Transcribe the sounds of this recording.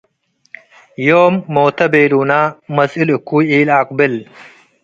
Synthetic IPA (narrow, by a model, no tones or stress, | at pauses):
joːmːoːt̪ʰɐbeːluːnaːmɐzilukːuːiːlaːqbɪl